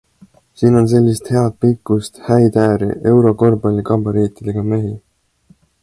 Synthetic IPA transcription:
siːno̞ns̬e̞lʲːist̪he̞ɑt̪̚pikːˑust̪hæjt̪æːɾḭʔe̞wɾo̞ko̞rbɑlʲːikɑbɑɾiːt̪ˑid̪̥e̞ɡ̥ɑme̞ɦi

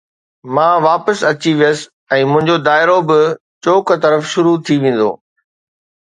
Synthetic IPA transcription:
mãːʋaːpəsɐt͡ɕiʋijəsɪ̥ | ɛ̃ːmʊ̃ɦɪ̃ɲd͡ʑod̪aːɪɾobɪ | t͡ɕoːkt̪ɐɾəfʃʊɾut̪ʰiʋẽːn̆d̪o̰ː

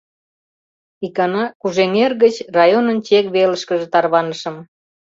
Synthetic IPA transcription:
ikɑnɑkuʒeŋerɣət͡ɕrɑjonənt͡ɕekβeləʃkəʒĕt̪ɑrβɑnəʃə̆m

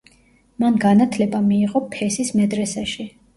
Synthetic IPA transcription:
manɡanat̪ʰlɛbamiːʁʼɔpʰɛsismɛd̪ɾɛsaʃi

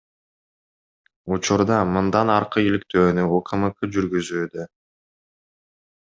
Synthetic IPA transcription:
ut͡ʃuɾd̪ɑmɯnd̪ɑnɑɾqɯilik̚t̪ø̞ːnyoqʰɯmɯqɯd͡ʒyɾɡyzyːd̪ø

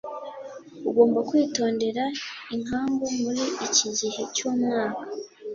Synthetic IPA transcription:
uɡo̞ːmbakwiːto̞ːnde̞ɾaiŋ̥aːŋɡumuɾiiciɟihe̞coːmŋaːkḁ

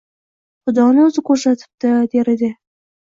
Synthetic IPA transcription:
χʊd̪ɒnɪɵzɪkʰɵɾsat̪ʰɪ̥p̚t̪ɪd̪eɾɪd̪ɪ

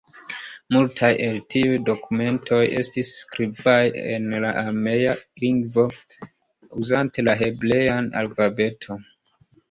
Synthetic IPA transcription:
multʰajʔe̞ltiujdo̞kume̞ntʰo̞je̞̰stisːkɾibajḛnlaʔame̞jaliŋɡvo̞ | uzante̞laɦe̞ble̞jana̰lfabe̞tʰo̞

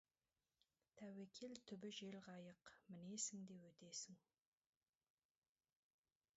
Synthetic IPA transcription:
t̪ʰæwekʲʰelt̪ʰʏbɪʒe̞lʁɑjəqmɪne̞sɪŋd̪e̞pwɵt̪e̞sɪŋ

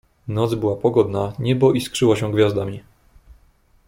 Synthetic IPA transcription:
nɔt̪zbɘwapɔɡɔd̪naɲɛbɔʔiskʂɘwɔɕɛ̃ɡvʲjazd̪amʲi

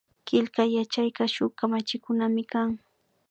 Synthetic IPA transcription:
kɪʎkajat͡ʃajkaʃʊkamat͡ʃɪkʊnamɪkaŋ

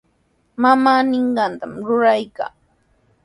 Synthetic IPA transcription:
mamaːnɪɴɢɑnt̪amɾʊɾajka̰ː

